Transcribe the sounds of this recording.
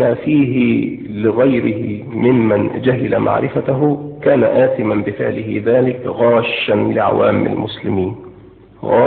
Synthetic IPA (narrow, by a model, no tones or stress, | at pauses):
aːfiːɦɪ | lɪɣajɾɪhɪ̰ | mɪmmand͡ʒaɦɪlamʔa̰ʕɾʔɪfat̪aɦʊkaːna̰ʔaːt̪ɪmanbɪfɪʕlɪɦɪ̰ðaːlɪkɣaːʃːanlɪʕa̰waːmɪa̰lmʊslɪmiːn | ɣaː